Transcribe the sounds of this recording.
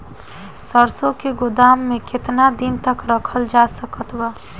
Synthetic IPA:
səɾsõkeɡʊd̪aːmːẽkɪt̪nad̪ɪnt̪əkɾəkʰəld͡ʒasəkət̪wa

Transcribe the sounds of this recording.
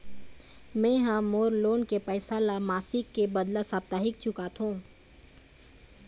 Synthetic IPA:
mɛ̃ːɦãmoːɾloːnkepɛːsalamaːsɪkːebəd̪lasaːb̚t̪aːɦɪk̚t͡ʃʰʊkat̪ʰɦũː

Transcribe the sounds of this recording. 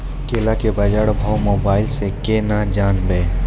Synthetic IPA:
keːlakebɐd͡ʒaɽbʱawmoːbaːɪlsekeːnad͡ʒaːnbeː

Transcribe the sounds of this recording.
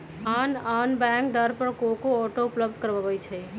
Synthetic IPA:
ananbɛ̃ŋk̚d̪əɾpəɾkokoɔʈoupləb̚d̪ʱkəɾbəbət͡ʃʰɛ

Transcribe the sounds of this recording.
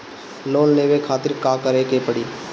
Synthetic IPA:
loːnleːʋekʰaːt̪ɪɾkaːkəɾekepəɽiː

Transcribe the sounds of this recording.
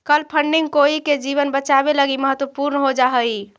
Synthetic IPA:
kəlpʰəɳɖiŋɡkoiked͡ʒiβənbət͡ʃabeləɡiməɦət̪wəpuɾnəɦod͡ʒaɦəi

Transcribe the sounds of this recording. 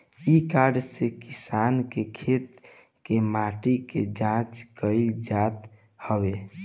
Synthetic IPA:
ikaɾɖsekisankekʰet̪ | kemaʈikḛd͡ʒãt͡ʃkəɪld͡ʒat̪ | həbe

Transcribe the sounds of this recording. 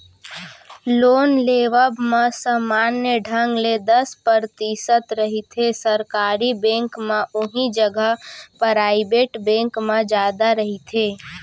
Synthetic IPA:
loːnleːʋəbmẽsəmaːnjəɖʱəŋɡled̪əspəɾt̪isət̪ɾəɦit̪ʰesəɾkaːɾibẽːŋkmẽʔʊɦid͡ʒəɡəɦpɾaːibeʈbẽːŋkmẽd͡ʒjaːd̪aɾəɦit̪ʰeː

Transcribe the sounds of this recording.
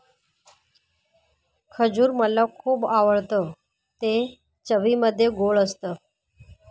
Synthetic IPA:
kʰəd͡ʑuːɾməlɔkʰuːbaʋəɭt̪ə | t̪e | t͡ɕəʋiməd̪ʱːjeɡoɭəst̪ə

